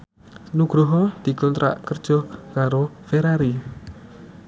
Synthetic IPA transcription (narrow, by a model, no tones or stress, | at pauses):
nuɡ̥ɾuɦɔd̪̥i̤kɔnt̪ɾa̰ʔkərd̥ʒ̥ɔkaɾofeɾaɾi